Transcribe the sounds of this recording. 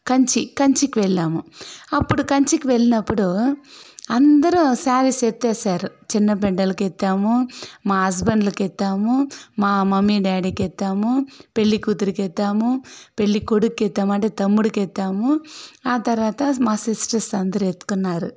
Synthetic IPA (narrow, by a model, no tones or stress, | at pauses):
kɐɲt͡ʃikɐɲt͡ʃikːiʋɛɭːaːmuɐpːuɽukɐɲt͡ʃikiʋɛɭːinɐpːuɽu | ɐnd̪ɐɾusaːɾiset̪ːeːsaːɾut͡ʃinːɐpɛɳɖɐlɐkɛt̪ːaːmumaːɦɐs̬bɐnd̪lɐkɛt̪ːaːmumaːmɐmːiɖaːɽikɛt̪ːaːmupeɭːikuːt̪ːuɾikɛt̪ːaːmupeɭːikoɽukːet̪ːaːmɐɳʈeːt̪ɐmːuɽukɛt̪ːaːmuaːt̪ɐɾʋaːt̪ɐmaːsisʈɐsɐnd̪ɐɾuet̪ːu̥kunːaːɾu